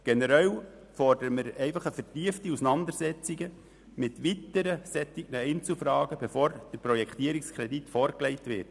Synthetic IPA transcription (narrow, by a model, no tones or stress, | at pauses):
ɡ̥enəɾɛw | fɔrdəɾəmɪɾɛɪfɑχəfətiəftiusənɑnd̪əɾsɛt͡siɡə | mɪtʋitəɾəsɛt͡siɡ̥nəɛɪnt͡sl̩fɾɑːɡ̥əb̥efoːɾd̥əɾpɾɔjɛkχt̪iəɾikskʰɾɛditfɔːɾklɛɪtʋɪt